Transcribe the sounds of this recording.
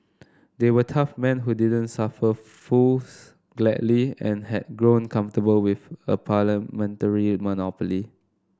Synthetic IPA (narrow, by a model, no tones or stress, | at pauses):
dewətʰafmɛ̃nɦudidə̃nsafə | fus | ɡ̥lɛ̰dliɛ̃nhɛd̚ɡɹõnkʰãɱftəbəlwifəpʰaləmɛ̃ntəɹimɔnɔpəli